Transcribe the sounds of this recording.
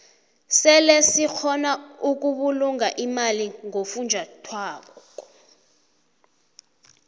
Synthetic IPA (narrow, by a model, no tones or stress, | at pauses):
sɛlesik͡xʰɔnauk̬uɓuluŋaʔimaliŋofund͡ʒʱatʰwaːk̬ɔɔ